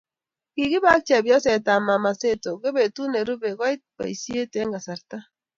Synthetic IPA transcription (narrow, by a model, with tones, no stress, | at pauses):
ki˨ɡɪ˦ba˦k̚t͡ʃa˨bjɔ˦sɛ˨ta˨ma˨ma˨se˦to˨ɡe˦be˨tu˦ne˨ɾu˦be˨ɡa˦i˦t̚ba̰˨i˨sje˦te˦ŋɡa˨sa˨ɾta˦